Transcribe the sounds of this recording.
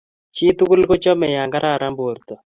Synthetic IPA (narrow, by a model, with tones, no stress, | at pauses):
t͡ʃi˦t̪u˦ku˦lko˦t͡ʃɔ˦mɛ˨ja˨ŋɡa˦ɾʔa˦˨ɾa˦mbo˨ɾt̪ɔ˨